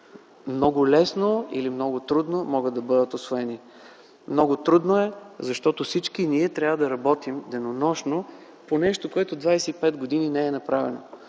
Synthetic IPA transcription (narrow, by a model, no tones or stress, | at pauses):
mnɔɡʊlɛsnoḭlimnɔɡʊt̪ɾud̪nomɔɡət̪d̪ɐbɤd̪ət̪osvoɛni | mnɔɡʊt̪ɾud̪noɛzɐʃt̪ɔt̪ofsit͡ʃkiniɛt̪ɾʲavəd̪ɐɾɐbɔt̪imd̪ɛnonɔʃno | ponɛʃt̪okoɛt̪od̪vajsɛipɛd̪ɡod̪ininɛɛnɐpɾavɛ̰no̰